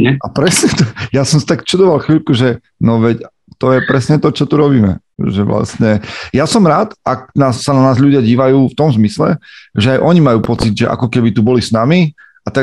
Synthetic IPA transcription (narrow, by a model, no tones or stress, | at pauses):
ɲɛapɾɛsɲɛt̪ɔjasɔmsi̥t̪akt͡ʃud̪ɔʋalxʋiʎkuʒɛ | nɔʋɛc | t̪ɔjɛpɾɛsɲɛt̪ɔt͡ʃɔt̪uɾɔbiːmɛ̰ʒɛʋla̰st̪ɲɛjasɔmɾaːt̪ak̚naːsːananaːzʎuɟɪaɟiːʋajuːft̪ɔmzmislɛ̰ʒɛajʔɔɲimajuːpɔt͡sid̪ʒɛʔa̰kɔkɛbit̪ubɔlisnami | at̪a